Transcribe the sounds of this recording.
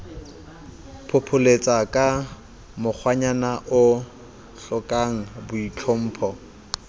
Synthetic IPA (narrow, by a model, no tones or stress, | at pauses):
pʰʊpʰʊlet͡sʼakʼa | mʊk͡xʰwaɲanaʔʊ | ɬʊkʼaŋ̩bʊit͡ɬʰom̩ːpʰɔ